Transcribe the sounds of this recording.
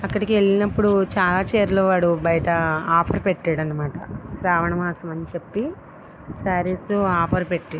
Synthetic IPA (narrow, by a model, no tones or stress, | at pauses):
ɐkːɐɽikie̞ɭːinɐpːuɽut͡ʃaːlaːt͡ʃeːɾuloːʋaːɽubɐjɐʈɐaːpʰɐɾpeʈːaːɽɐnːɐmaːʈɐ̰ɾaːʋɐɳɐmaːsɐmɐnit͡ʃepːi | saːɾesuaːpʰɐɾpeʈːe